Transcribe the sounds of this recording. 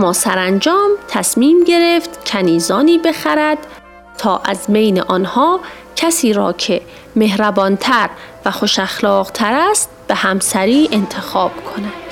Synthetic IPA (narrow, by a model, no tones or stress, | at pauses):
ʔæmːɒːsæɾænd͡ʒɒːmt̪ʰæsmiːmɟe̞ɾe̞ft̪cʲʰæniːzɒːniːbexæɾæd̪̥ | t̪ʰɒːʔæ̰zbejneʔɒːnhɒː | cʰæsiːɾɒ̰ːcʰe̞ | me̞hɾæbɒːnt̪ʰæɾvæxo̞ʃæxlɒːɣt̪ʰæɾæst̪̚b̥e̞hæmsæɾiːʔe̞nt̪ʰe̞xɒːb̥kʰo̞næd̪̥